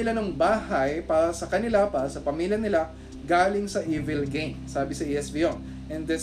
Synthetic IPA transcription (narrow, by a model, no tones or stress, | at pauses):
ɪlanɐŋbaːhɐjpaːɾɐsɐkɐnɪlapaɐsɐpɐmiːljɐnɪla | ɡaːlɪŋsɐʔiːvɛlɡejmsaːbɪsɐʔiːɛsbiːʔon | ʔɛnd̪ɛ